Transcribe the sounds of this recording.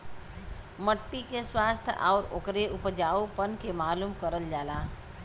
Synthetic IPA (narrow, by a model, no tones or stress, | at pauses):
məʈːikeswaːst̪ʰʔɔ̰ːɾo̰ːkɾeʊpd͡ʒaːupənkemaːluːmkəɾəld͡ʒaːlaː